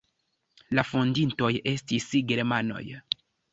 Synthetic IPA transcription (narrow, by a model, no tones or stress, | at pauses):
lafondinto̞je̞stisɡeɾmano̞̰j